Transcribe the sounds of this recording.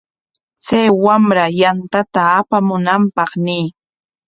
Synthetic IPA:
t͡sajwamɾajant̪at̪aːpamʊnampɑχnɪː

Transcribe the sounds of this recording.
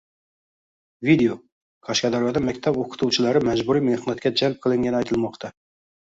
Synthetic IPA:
vid̪eo | kʰɑʃkɑd̪ɑɾjɑd̪æmækʲt̪ʰɛboqʰɨ̥t̪ʰuwt͡ʃʰɪlæɾɪmæd͡ʒbuɾijmehnæt̪̚kʲɛd͡ʒælp̚qʰɨlˠɪŋɡʲɛnɪɑjt̪ʰɨlˠmɑqt̪ʰɑ

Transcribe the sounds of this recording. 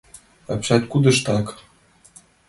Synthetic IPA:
ɑpɕɑt̪ʲkud̪ɤ̆ʃt̪ɑk

